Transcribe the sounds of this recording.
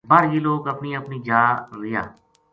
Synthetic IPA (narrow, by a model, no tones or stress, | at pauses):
baːɾiːloːkəpniːəpniːd͡ʒaːɾɪja̰ː